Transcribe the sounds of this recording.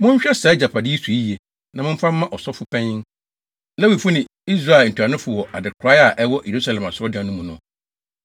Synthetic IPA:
mʊ̃˦ɲ̩˦ɕᶣɛ˦sɛː˨˦d͡ʑa˨pʰa˨di˦su˨i˦i˨e˨ | nã˨mʊ̃˦m̩˦fa˦m̩ː˦ã˦ʔɔ˨sɔ˦fʊ˦pʰɛ̃˦ɲɪ̃˦ŋ | la˦wi˨fʊ˦nɪ̃˨ | i˦s̬ɾa˨ɛ˨ln̩˨tʰu˨a˨nʊ̃˦fʊ˨wɔ˨ʔa˨dɪ˨kʰʊ˨ɾa˦a˨ʔɛ˦wɔ˦jʔe˨ɾu˦sa˨lɛ̃˨ma˨sʊ˦ɔ˦dã˨nʊ̃˦mũ˨nʊ̃˦

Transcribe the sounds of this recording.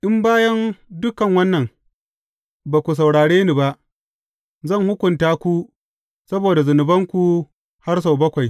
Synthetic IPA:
ʔɪ˦mbaː˦jɐ˦ndʊ˦kɐ˨ŋwɐ˦nːɐ˨ŋ | baː˨kʷu˨s̬a˨wɽaː˨ɽeː˦niː˨ba˦ʔ | zɐ˦˨ŋhʊ˦kʷʊ˨ntaː˦kʷu˦ | sɐ˦boː˨da˨zʊ˨nʊ˨bɐ˦ŋkʷu˨ | ha˦rs̬a˨wbɐ˦kʷa˨j

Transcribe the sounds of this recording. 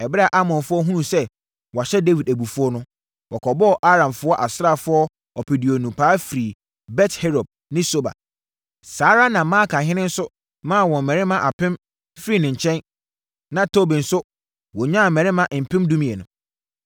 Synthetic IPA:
ɛ˨bɾa˨ʔa˦mɔ̃˨nfʊ˦ɔ˦ɦũ˦nũ˨sɛ˦ | wɔ˨a˨ɕɛ˦de˦wi˨dæ˨bu˨fʊ˦ɔ˦nʊ̃˦ | wɔ˨kʰɔ˨bɔ˦˨ʔa˦ɾã˨mfʊ˦ɔ˦ʔa˨sɪ˦ɾa˨fʊ˦ɔ˦ | ɔ˨pʰe˨di˨o˨nũ˨pʰaː˦fɾi˨ | bɛ˦the˦ɾɔ˨b̚ | nɪ̃˦so˦ba̰˨ | saː˨˦ɾa˦nã˨mãː˦kʰã˨ɦɪ̃˦nɪ̃˦n̩˦sʊ˦ | mã˦˨wɔ̃˨m̩˨mɛ̃˨ɾɪ˦mã˦ʔa˨pʰɪ̃˦m | fɾi˦˨nɪ̃˨ɲ̩˨t͡ɕʰɛ̃˦n | nã˨to˦bɪ̃˨n̩˨sʊ˦ | wɔ˨ɲᶣã˦a˨mɛ̃˨ɾɪ̃˦mã˦ʔm̩˨pʰɪ̃˦mdũ˦mĩ˨e˨nʊ̃˨

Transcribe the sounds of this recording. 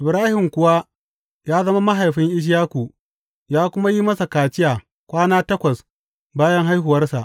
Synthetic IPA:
ʔɪ˨bɾaː˦hɪ˨mkʷʊ˦wa˦ | jaː˦zɐ˦ma˦ma˦ɦa˨jɸɪ˦ŋʔɪ˦ʃ̬jaː˦kʷu˨ | jaː˦kʷʊ˦ma˦ji˦mɐ˦sa˨kaː˨t͡ʃɪ˦jaː˨ | kʷaː˦naː˦tɐ˦kʷɐ˨s | baː˦jɐ˦ŋɦa˦jɦʊ˨wɐ˦rsa˨ʔ

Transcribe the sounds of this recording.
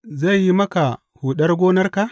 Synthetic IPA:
za˦˨jːi˦mɐ˦ka˨ | huː˨ɗɐ˦rɡʷoː˦nɐ˦rka˨ʔ

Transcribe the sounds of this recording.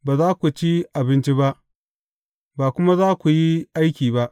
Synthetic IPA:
baː˨zaː˦kʷu˨t͡ʃi˦ʔa˨bɪ˦nt͡ʃi˦ba˦ʔ | baː˨kʷʊ˦ma˦zaː˦kʷu˨ji˦ʔa˦jkʲiː˨ba˦ʔ

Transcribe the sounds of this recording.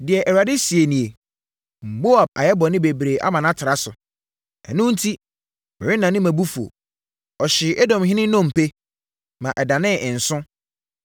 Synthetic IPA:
dɪ˨ɛ˨ʔɛ˨wa˨dɪ˦si˨e˨nĩ˨e˨ | m̩˨bo˦a˨b̚a̰˨jɛ˦bɔ˨nɪ̃˦be˨bɾe˨ʔa̰˦mã˨nã˦tʰɪ˨ɾa˦sʊ˨ | ɛ̰˨nʊ̃˦n̩˦tʰi˦ | mɪ̃˨ɾɪ˦nã˨nɪ̃˦mã˨bu˦fu˨o̰˨ | ɔ˨ɕɪ˨ʔe˦dɔ̃˨mɦɪ̃˦nɪ̃˦nɔ̃˦˨m̩˨pe˦ | mã˨ʔɛ˨dã˨nɪ̃˦˨ʔɪ̃˨n̩˨sʊ̃˦

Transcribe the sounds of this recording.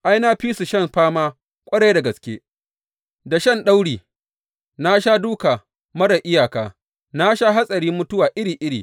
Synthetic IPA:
ʔa˦jna˦ɸiː˦su˨ʃɐ˦˨mɸaː˦maː˦ | kʷʼɐ˦ɽe˦da˨ɡɐ˨skʲḛ˦ | da˨ʃɐ˦˨nɗa˦wɽiː˨ | na˦ʃaː˦duː˦kaː˨ | mɐ˦ɽa˨ʔɪ˦jaː˨ka̰ː˨ | na˦ʃaː˦ɦa˦sʼɐ˨ɽiː˦mʊ˦tʊ˦waː˨ʔɪ˦ɽiː˨ʔɪ˦ɽiː˨

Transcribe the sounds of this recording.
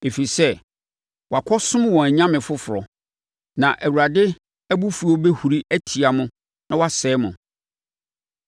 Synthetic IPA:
e˨fi˨sɛ˦ | wɔ˨a˨kʷʰɔ˦sʊ̃˦m˦wɔ̃˨æ˨ɲã˦mɪ̃˨fʊ˦fʊ˨ɾɔ˨ | nã˨ʔæ˨wu˨ɾa˨dɪ˦ | æ˦bu˦fu˨o˦bɛ˦hu˨ɾi˦ʔæ˦tʰi˨a˨mʊ̃˦ | nã˦wɔ˦a˦sɛː˦mʊ̃˨

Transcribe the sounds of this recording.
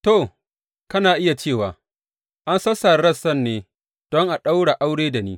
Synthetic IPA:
to˦˨ | kɐ˦naː˨ʔɪ˦ja˨t͡ʃeː˦˨waː˨ | ʔa˦nsɐ˦sa˨˦ɽɐ˦˨sːɐ˦˨nːeː˨ | d̥ɔ˦ŋʔa˨ɗa˦wɽa˨ʔa˦wɽeː˦da˨niː˦

